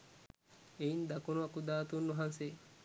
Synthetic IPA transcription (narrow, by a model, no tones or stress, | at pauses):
eind̪akunuɐkud̪aːt̪unːuɦanse